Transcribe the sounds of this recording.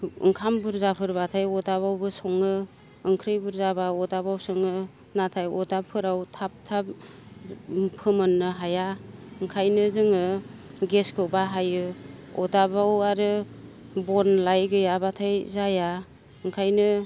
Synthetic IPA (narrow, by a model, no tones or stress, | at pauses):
ɯ̰ŋkʰambɯɾzapʰɯɾbatʰajɔdaβawbɯsɔŋɯ | ɯŋkʰɾɯjbɯɾzabaɔdabawsɯŋɯ | natʰajɔdapʰɯɾawtʰap̚tʰap̚ | pʰɯmɯnːɯɦajaɯŋkʰajnɯzɯŋɯɡeskʰɯwbaɦajɯɔdabawaɾɯ | bɔnlajɡɯjabatʰajzaja | ɯŋkʰajnɯ